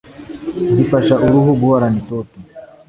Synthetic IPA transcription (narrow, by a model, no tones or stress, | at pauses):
zifaʃaʔuɾuɦuɡuaɾanitɔti